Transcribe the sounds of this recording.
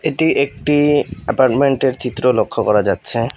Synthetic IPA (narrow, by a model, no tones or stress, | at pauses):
eʈiʔek̚ʈiɛpaɾʈmeɳʈeɾt͡ɕit̪ːɾolokʰːokɔɾad͡ʑatːɕʰe